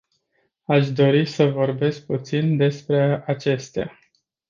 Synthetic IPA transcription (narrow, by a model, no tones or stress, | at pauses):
aʃd̪o̞ɾisəvo̞rbe̞sk̚put̪sind̪e̞spɾe̞at͡ʃe̞st̪ea̰